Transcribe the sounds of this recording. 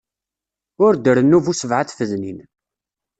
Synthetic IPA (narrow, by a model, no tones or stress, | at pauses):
ʊɾd̪əɾənːuvusəvʕaθθəðnin